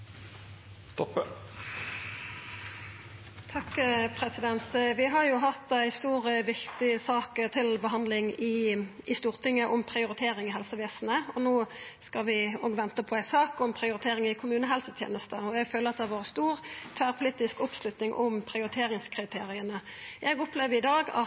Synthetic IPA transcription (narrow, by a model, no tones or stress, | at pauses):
st̪ɔpə | t̪ʰɑkːpʰʁɛsɪd̪ɛnt̪ʋɪɦɑjʊɦɑt̪ːæɪst̪uːʁəʋɪkt̪ɪsɑːkət̪ʰɪlbəɦɑnd̪lɪŋɪʔɪst̪uːʁt̪ɪŋːəʔʊmpʰʁɪʊʁɪt̪ʰeːʁɪŋɪɦɛlsəʋeːsnəɔnoːskɑʋɪoːɡʋɛnt̪əpʰɔæɪsɑːkʊmpʰʁɪʊɾɪt̪ʰeːɾɪŋɪkʰʊmʉːnəɦɛlsət̪ʰjeːnəst̪əɔɛɡføːləʁɑt̪̚d̪ɛæʋoːʁəst̪uːʁt̪ʰʋæːʁpʰʊliːt̪ɪskʊpslʉt̪nɪŋʔʊmpʰʁɪʊɾɪt̪ʰeːʁɪŋskʰʁɪt̪ʰeːʁɪənəʔɛɡʊpleːʋəɪd̪ɑːɡɑ̰